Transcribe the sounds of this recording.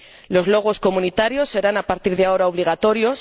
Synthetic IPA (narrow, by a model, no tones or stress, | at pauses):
lo̞zlo̞ɣ̞o̞sko̞mũnit̪aɾjo̞sːe̞ɾanapaɾt̪iɾðeao̞ɾaoβliɣ̞at̪o̞ɾjo̞s